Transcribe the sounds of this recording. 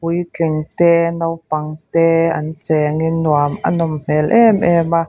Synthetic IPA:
ujt͡ɬɪŋt̪ɛnɐwpɐŋt̪ɛːʔɐnt͡sɛŋinuamʔa̰nɔmm̥ɛlʔɛmʔɛma

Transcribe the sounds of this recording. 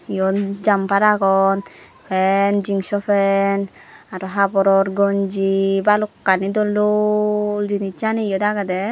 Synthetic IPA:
ijɔd͡ʒampaɾaɡɔnpʰɛnd͡ʒiŋsɔpʰɛn | aɾɔɦabɔɾɔɾɡɔnd͡ʒibalɔkːanid̪ɔlɔ | ld͡ʒinit͡ʃaniijɔd̪aɡad̪ɛ

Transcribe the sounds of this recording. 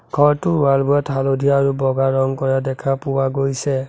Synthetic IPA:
ɡʱɔɹtʊwaɹbuɛtʰalodʱiaɹubɔɡaɹɔŋkɔɹadɛkʰapʊwaɡojsɛ

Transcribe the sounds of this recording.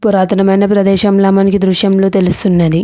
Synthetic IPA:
puɾaːt̪ɐnɐmɐjnɐpɾɐd̪ɛːʃɐmlɐːmɐnikid̪ɾuʃjɐmlo̞ːt̪e̞lust̪unːɐd̪i

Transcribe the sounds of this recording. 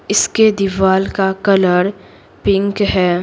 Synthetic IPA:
ɪsked̪ɪʋaːlkakɐləɾ | pɪ̃ŋkɦɛː

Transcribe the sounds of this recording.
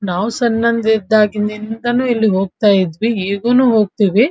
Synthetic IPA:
naːʋusɐnːɐnd̪id̪ːaːɡind̪ind̪ɐnuːilːiɦo̞ːɡ̚t̪aːjid̪ʋieːɡuːnuːɦo̞ːɡ̚t̪iːʋi

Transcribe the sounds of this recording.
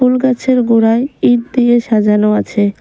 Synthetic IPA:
ulkat͡ɕʰeɾɡoɾaeid̪̚d̪ieʃad͡ʑanoat͡ɕʰe

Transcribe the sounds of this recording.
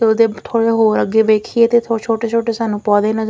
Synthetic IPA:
t̪eʊd̪eːt̪ʰoːɽeːɦoːɾəɡeːʋeːkʰieːt̪eːt̪ʰot͡ʃʰoːʈeːt͡ʃʰoːʈeːsaːnũːpɔːd̪eːnə

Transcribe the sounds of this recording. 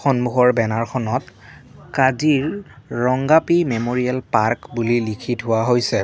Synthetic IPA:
xɔnmuɦɔɹbɛnaɹxʰɔnɔtkaziɹːɔŋɡapimemoɹiɛlpaɹkbulilikʰitɦʊwaɦojsɛ

